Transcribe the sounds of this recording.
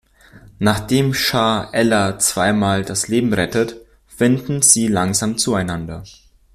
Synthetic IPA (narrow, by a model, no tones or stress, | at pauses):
naːχd̥eːmʃaːʔɛlɐt͡sv̥aɪmaːldasleːbm̩ʁɛtət | fɪndn̩z̥iːlaŋzaːmt͡suaɪnandɐ